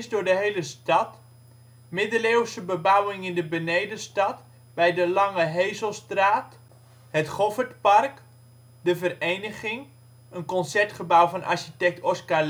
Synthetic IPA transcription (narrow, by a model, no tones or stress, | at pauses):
zdʊːɹdəɦejləstɑt | mɪdəleːwsəbəbawɪŋɪndəbənejdəstɑt | bɛjdəlɑŋəɦejzəlˠstraːt | hətχɔvətpɑrk | dəvərejnəχɪŋ | ənkɔnsɛɹtχəbawvɑnʔa̰ɹʃitɛk̚tɔska